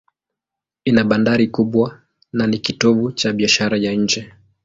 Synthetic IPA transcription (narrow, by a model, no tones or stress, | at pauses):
inaɓandaɾikuɓwa | nanikitɔvut͡ʃaɓiaʃaɾajaɲ̩d͡ʒɛ